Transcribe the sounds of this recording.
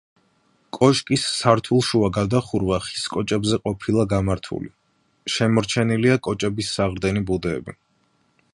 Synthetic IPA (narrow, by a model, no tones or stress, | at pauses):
kʼɔʃkʼisːaɾt̪ʰulˠʃuaɡad̪aχuɾvaχi̥skʼɔt͡ʃʼɛbzɛqʼɔpʰilˠaɡamaɾt̪ʰṵli | ʃɛmɔɾt͡ʃʰɛniliakʼɔt͡ʃʼɛbisːaʁɾd̪ɛnibud̪ɛːbi